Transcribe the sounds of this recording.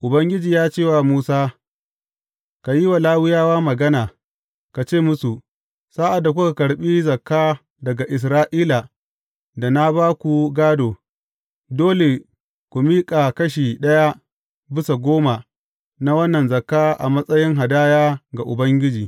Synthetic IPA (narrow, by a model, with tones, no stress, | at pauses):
ʔʊ˨bɐ˦ŋɡʲɪ˦d͡ʒiː˨jaː˦t͡ʃeː˦˨wa˨muː˦saː˦ | ka˨ji˦wa˨laː˦wɪ˦jaː˦waː˦mɐ˨ɡɐ˦naː˨ | ka˨t͡ʃeː˦˨mʊ˦su˨ | saː˦ʔa˨dːa˨kʷu˦ka˨kɐ˨ɽɓiː˦zɐ˨kːaː˦ | dɐ˨ɡa˨ʔɪ˨s̬ɾaː˦ʔiː˦la˨ | da˨na˦baː˦kʷu˨ɡaː˦doː˨ | doː˦le˨ | kʷu˨miː˦kʼa˨kɐ˦ʃ̬iː˨ɗɐ˦ja˦ | bɪ˦sa˨ɡʷoː˦ma˨ | na˦wɐ˦nːɐ˨nzɐ˨kːaː˦ʔa̰˨mɐ˦sʼɐ˦jɪ˦ŋɦa˨daː˦jaː˦ɡa˨ʔʊ˨bɐ˦ŋɡʲɪ˦d͡ʒiː˨